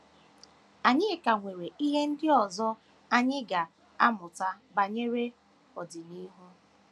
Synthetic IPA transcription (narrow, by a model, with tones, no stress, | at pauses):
a˨ɲɪ˦˨ka˨ŋʷe˨ɾe˨i˦ɦe˦n̩˦dɪ˦ɔ˨zɔ˦ | a˦ɲɪ˦ɡa˨ | a˦mʊ˨ta˦ba˨ɲe˦ɾe˦ | ɔ˨dɪ˨ni˦ɦu˦